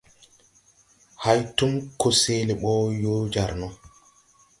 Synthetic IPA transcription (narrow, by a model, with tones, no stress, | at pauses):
ha˦jtu˦mko˨se˦le˨ɓɔ˦jo˦d͡ʒa˨ɾnɔ˦